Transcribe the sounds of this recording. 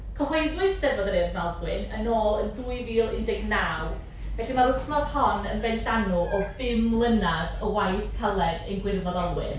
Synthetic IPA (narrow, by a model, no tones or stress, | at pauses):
kʰɔhɔjndʊɨd̥sɛvɔðəɾɨːðmɛlˠdwɪnənoːlˠənðuːɨviːlˠɪndɪɡnaw | v̥ɛɬimaɾʊθnɔshɔnənvɛjnɬanuʔɔbɪmlˠənaðəwajθkʰəlˠɛdejnɡwɪrvɔðɔlˠwɪ̰n